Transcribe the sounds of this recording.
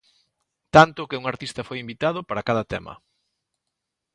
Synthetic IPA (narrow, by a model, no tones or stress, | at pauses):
t̪ant̪ʊkɪuŋaɾt̪ist̪ɐfojimbit̪að̞ʊpaɾakaðɐt̪ɛ̰mɐ̰